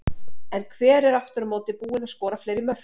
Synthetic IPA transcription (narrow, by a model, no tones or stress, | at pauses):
ɛnkʰvɛːɾɛɾaft̪ʏɾmoːwt̪ɪpuːɪnaðskɔːɾafleːjɾɪmœr̥